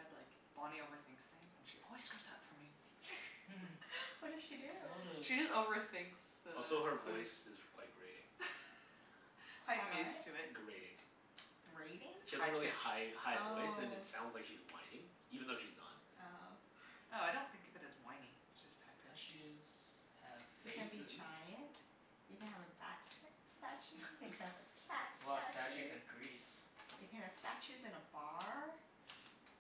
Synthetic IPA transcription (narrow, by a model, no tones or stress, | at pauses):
ɨdlaɪk | b̥ɑnioʊvə˞θɪ̃ŋksɪ̃ŋzɨ̃nʃiʔɔ̰lˠwiz̥skɛ˞zaʊtfə˞mi | wʌdɨ̥ʃidʉʃiʌzoʊvə˞θɪ̃ŋksosoʊə˞vɔɪsɪzkʰw̥aɪt̚ɡ̥ɹeɪɾɪ̰̃ŋ | waɪmstʰʉɪt̚ɡɹeɪɾɪ̰̃ŋ | ɡ̥ɹeɪɾɪ̃ŋʃizɹɪlˠihaɪhaɪeɪsɨ̃ɨ̃tsãʊ̃ndzlaɪkʃizwã̰ɪ̃nĩ | ivɨ̃n̩ðoʊʃiznə̰t̚ | oʊ | oʊaɪɾõʊ̃nθɪ̃ŋkɨb̥ɨɾɨswãɪ̃nɪ̃ŋɪsd̥ʒ̥ʌstt͡ʃɪz̥ | ɨv̥feɨ̃nbid͡ʒaɪɨ̃nt | jɨkɨ̃nɨvɨbæ̰ks | stæt͡ʃɪvɨtʰætasæt͡ʃɨzɨ̃nɡɹisjɨkʰɨ̃nɨv̥stæt͡ʃɨzɨ̃nəbɑɹ